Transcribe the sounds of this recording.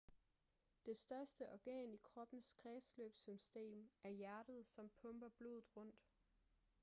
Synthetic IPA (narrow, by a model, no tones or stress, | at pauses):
d̥e̝sd̥ɶɐsd̥əʔɒɡ̥ɛ̰ːnikʰʁɒ̽b̥n̩sɡ̥ʰʁɛːsløːb̥sysd̥e̝̰ːmæɐjæɐd̥əð̞̩ˠsɒ̽mpʰɔ̽mb̥ɐb̥lo̝ːðð̩ˠʁɔ̽n̰d̥